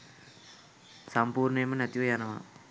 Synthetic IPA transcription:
sɐmpuːɾɳejmɐnɐt̪jʋɐjaːnɐma̰ː

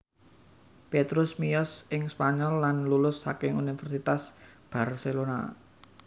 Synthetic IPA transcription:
pet̪ɾʊsmijɔsɪŋspaɲɔlːanlulʊsːakɪŋunifɛrsit̪asb̥a̤rselona̰

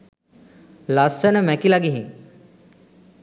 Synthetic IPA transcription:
lasənəmækilaɡiɦiŋ

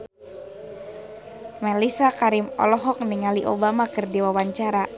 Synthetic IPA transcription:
malisakaɾimɔ̰lɔɦɔk̚niŋaliʔobamakɨrdiwawaɲt͡ʃaɾa

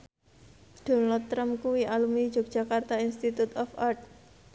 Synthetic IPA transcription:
d̥ɔ̤nalt̪ːɾamkuwiʔalumi̥ʒ̥ɔk̚dʒ̥a̤kart̪ainst̪it̪ut̪ɔfart̪̚

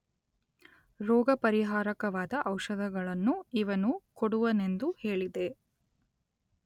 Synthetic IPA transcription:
ɾɔːɡɐpɐɾiɦaːɾɐkɐʋaːd̪ɐʔɐwʃɐd̪ʱɐɡɐɭɐnːuiʋɐnukoɽuʋɐne̞nd̪uhe̞ːɭid̪e̞

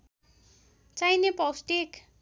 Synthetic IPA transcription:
t͡sajnepʌwsʈek

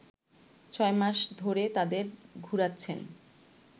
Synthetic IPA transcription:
t͡ɕʰɔemaʃd̪ʱoɾet̪ad̪eɾɡʱuɾatːɕʰen

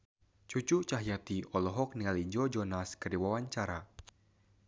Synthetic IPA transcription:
t͡ʃut͡ʃut͡ʃaɦjat̪iɔlɔɦɔk̚niŋalid͡ʒɔd͡ʒɔnaskərdiwawaɲt͡ʃaɾa

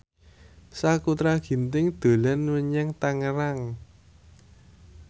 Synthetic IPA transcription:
sakut̪ɾaɡ̥i̤nt̪ɪŋd̪̥o̤lanwəɲaŋt̪aŋəɾaŋ

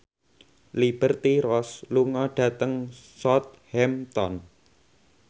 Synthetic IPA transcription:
lib̥ə̤rt̪iɾɔsluŋɔɖ̥ä̤t̪əŋsɔt̪̚hɛmt̪ɔn

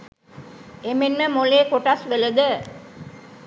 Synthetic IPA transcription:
emenməmoleːkoʈasʋeləd̪ə

